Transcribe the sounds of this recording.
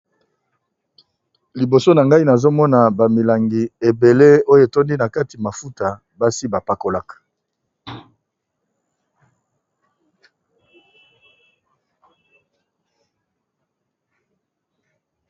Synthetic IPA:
li˨bo˨so˦na˨ŋɡa˦i˦na˨zo˦mɔ˦na˨ba˨mi˨la˨ŋɡi˨e˨be˨le˦o˦jo˨e˨to˦ndi˦na˨ka˦ti˨ma˨fu˦ta˨ | ba˦si˦ba˨pa˨ko˨la˦k

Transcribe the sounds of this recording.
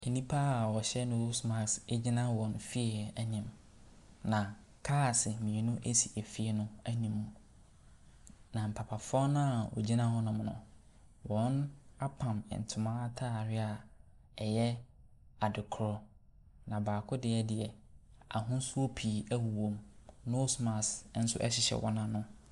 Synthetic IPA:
e˨nĩ˦pʰa˦a˨wɔ˨ɕɛ˦nʊ̃˦o˦sma˨kse˦d͡ʑi˦nã˦wɔ̃˨n˨fi˦˨æ˨nĩ˨m | nã˨ | kʰaː˦˨sɪ˨mĩ˨e˨nʊ̃˦ʔe˦si˨æ˨fi˦e˦nʊ̃˦æ˦nĩ˨mũ˨ | nã˨m̩˨pʰa˨pʰa˨fʊ˦ɔ˦nã˦a˨wɔ̰˨d͡ʑi˦nã˦hɔ˦nʊ̃˨m˨nʊ̰̃˨ | wɔ̃˨˦na˦pʰã˨mɪ̰˨n̩˨tʰʊ˨mãː˦tʰa˦˨ɾɪ˦a˨ | ɛ˨jɛ˦ | a˨dɪ˨kʰʊ˨ɾɔ˦ | nã˨baː˨kʰʊ˦dɪ˦ɛ˦dɪ˨ɛ˨ | a̰˨ɦʊ̃˦n˦su˦o˦pʰi˨˦æ˦wu˨wõ˨mno˦sma˨sn̩˦sʊ̰˦ʔɛ̰˦ɕɪ˨ɕɛ̰˨wɔ̰˦nã˦nʊ̃˦

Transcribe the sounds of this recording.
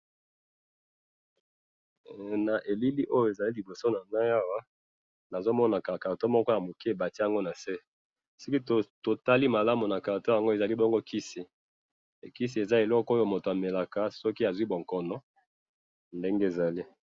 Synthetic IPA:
na˨ʔe˨li˦li˦ʔo˦jo˦˨e˨za˨li˦li˨bo˨so˦na˨na˦ja˦wa˦ | na˨zo˦mɔ˦na˨ka˨ka˨to˦mɔ˦kɔ˦ja˨mo˨ki˦e˨ba˨ti˦ja˨ŋɡo˦na˨se˦ | so˦ki˦o˨to˨ta˦li˦ma˨la˦mo˨na˨ka˨to˦ja˨ŋɡo˦e˨za˨li˦bɔ˦ŋɡo˦ki˦si˨ | ki˦s̬i˨e˨za˦e˨lɔ˦ko˦jo˨mo˨to˨a˨me˨la˨ka˨sɔ˦ki˦a˨zwi˦bo˨ŋkɔ˨nɔ˦ | nde˦ŋɡe˦e˨za˨li˦

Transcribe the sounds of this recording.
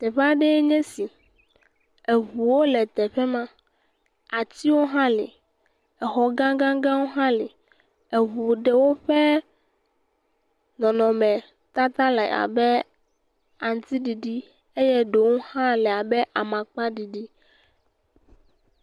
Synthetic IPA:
t̪ɛ˨ɸa˦ɖɛ˦ɲɛ̃˦si˨ | e˨ɦu˨wo˦lɛ˨t̪ɛ˨ɸɛ˦mã˦ | a˨t̪i˦wo˦ɦã˦lḛ˨ | ɛ˨xɔ˨ɡã˦ɡã˦ɡã˦wo˦ɦã˦le˨ | e˨ɦu˨ɖɛ˦wo˦ɸɛ˦ | nɔ̃˨nɔ̃˨mɛ̃˨ | t̪a˦t̪a˦lɛ̰˨a̰˨bɛ˦ | a˨n˨t̪i˦ɖi˨ɖi˦ | e˦jɛ˦ɖo˨wo˦hã˦lɛ˨a˨bɛ˦ʔa˨mã˨k͡pa˦ɖi˨ɖi˦

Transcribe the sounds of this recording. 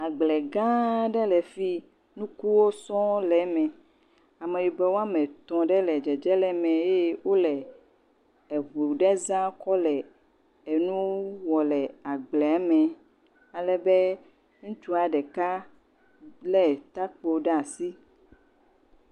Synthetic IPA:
a˨ɡ͡blɛ˨ɡã˦ɖɛ˦lɛ˨fi˦ | nũ˦ku˦wo˦sɔ̃˦lɛ˨mɛ̃˨ | a˨mẽ˨wi˨bɛ˦wo˦a˦mɛ̃˨t̪ɔ̃˨ɖɛ˦lɛ˨d͡ʒɛ˨d͡ʒɛ˦lɛ˦mɛ̃˨je˦wo˦lɛ˨ | ɛ˨βu˨ɖɛ˦zã˦kɔ˦lɛ˨ | ɛ˨nũ˦wɔ˨lɛ˨a˨ɡ͡blɛ˨a˨mɛ̃˨ | a˨lɛ˨bɛ˦ | ŋũ˦t͡ʃu˦a˨ɖɛ˨ka˦ | lɛ˦t̪a˦k͡po˨ɖɛ˦a˨si˦

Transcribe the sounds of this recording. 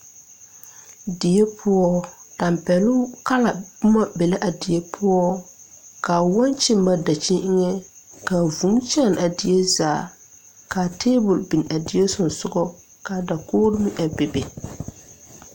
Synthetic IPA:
dɪ˨je˦pʰʊ˦ɔ˦ta˨mpɛ˨lʊ˦ka˦la˨bʊ˦ma˦bɛ˨la˦ʔa˨dɪ˨jɛ˦pʰʊ˦ɔ˦ | ka˨wɔ˦nt͡ʃɪ˦mː˦a˦da˨t͡ʃɪ˦ʔɪ˦ŋɛ˦ | ka˨vũ˨˦mt͡ʃa˦˨na˨dɪ˨je˦zaː˨ | ka˨te˦bʊ˨lbi˨na˨dɪ˨je˦sʊ˨n˨sʊ˦ɡɔ˦ | ka˨da˨koː˦ɾɪ˦mɪ˦ʔa˨be˨be˨

